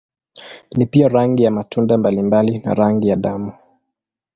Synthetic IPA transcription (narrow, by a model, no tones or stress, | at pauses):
nipiaɾaŋɡijamatʰundambalimbalina̰ɾaŋɡijaɗamu